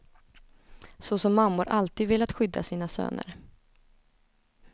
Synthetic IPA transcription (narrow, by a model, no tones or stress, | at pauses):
sɔsɔmːamːʊɾʔalt̪iːd̪vɪlːat̪ɧʏd̪ːa̰siːnasø̰ːnə̰ɾ